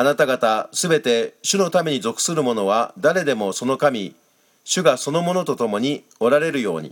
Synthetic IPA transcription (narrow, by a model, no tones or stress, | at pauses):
anat̪aɡat̪asɨbe̞t̪e̞ɕɨno̞t̪ame̞ɲ̟izo̞kɯ̟̥sɨɾɯ̟mo̞no̞β̞ad̪aɾe̞d̪e̞mo̞so̞no̞kamʲi | ɕɨɡaso̞no̞mo̞no̞t̪ot̪o̞mo̞ɲ̟i | o̞ɾaɾe̞ɾɯ̟jo̞̰ːɲ̟ḭ